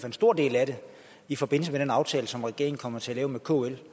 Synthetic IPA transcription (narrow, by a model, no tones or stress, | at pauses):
fensd̥o̝ɐ̰d̥e̝̰ːlæɾe̝ | ifɒ̽b̥e̝n̰l̩səmeɾ̥enɑ̈ʊt͡sʰɛːləsɒ̽mʁɛɡ̥e̝ɐŋ̩kʰɒ̽m̰ɐt͡sʰe̝ælɛːʊmekʰo̝el